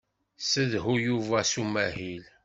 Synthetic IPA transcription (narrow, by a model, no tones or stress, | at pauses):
səðɦujuvæsumæɦil